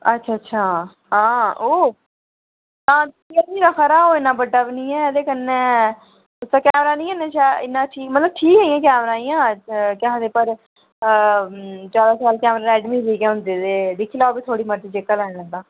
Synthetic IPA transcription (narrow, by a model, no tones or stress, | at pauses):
ətːʃʰaːətːʃʰaː | ɦãːoː | t̪ãː | iədiːɾakʰaɾaːoːɪnːãːbəɖːaːbinĩːɛːd̪eːkənːẽː | ʊsãːkɛːmɾaːnĩːəneːt͡ʃaːɪnːãːʈʰiːkmət̪ləb̚ʈʰiːkɦɛːiːãːkɛːmɾãːiːãːkɛɦd̪eːpəɾ | t͡ʃaːd̪aːsaːlkɛːmɾaːɾɛːɖmiːziːɡɛ̃ːɦʊ̃nd̪eːd̪eːd̪ɪkʰiːlaoːbiːt̪ʰoːɽiːməɾd͡ʒ̪iːd͡ʒɪkːəlɛːnləɡd̪ãː